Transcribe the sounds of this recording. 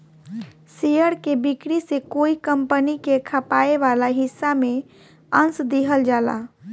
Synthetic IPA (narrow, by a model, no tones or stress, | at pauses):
sejəɾkebikɾisekoikəmpənikekʰəpaeʋalaɦisːame | ənsd̪eɦəld͡ʒala̰